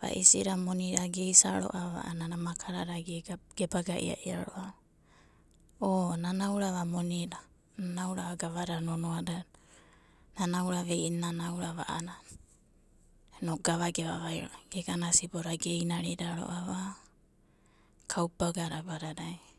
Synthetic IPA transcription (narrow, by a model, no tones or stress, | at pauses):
βa̰ʔisiɾamo̞niɾaɡe̞jsaɾo̰ʔaβa̰ʔa̰nanamakʰaɾaɾaɡeɡ̥ebaɡaʔḭa̰ʔia̰ɾo̞̰ʔaβa | onanawɾaβamoniɾa | nanawɾaβaɡaβaɾanonoada | nanawɾaβejnanawɾaβa̰ʔana | enoɡaβaɡeβaβajɾo̰aɡ̥eɡanasiboɾaɡe̞jnaɾidaɾo̰ʔaβa | kʰawpaɡaɾabaɾadaj